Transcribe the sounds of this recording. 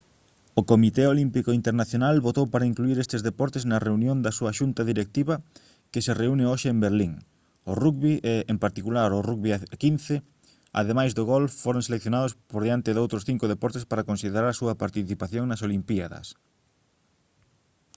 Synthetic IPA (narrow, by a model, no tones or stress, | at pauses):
okomit̪eolimpikoint̪eɾnaθjonalβot̪owpaɾɐiŋkluiɾest̪ezðepɔɾt̪eznɐreunjõnd̪ɐsuɐʃunt̪ɐðiɾek̚t̪iβɐ | kɪsereunɪoʃeembeɾliŋ | ʊrukβiʔeempaɾt̪ikulaɾʊrukβiakinθe | a̰ðemajzðʊɣolfoɾoŋselekθjonaðospoɾðeant̪ɪðowt̪ɾʊsθiŋkʊðepɔɾt̪espaɾɐkonsiðeɾaɾɐsuɐpaɾt̪iθipaθjoŋnɐsolimpiaðɐ̰s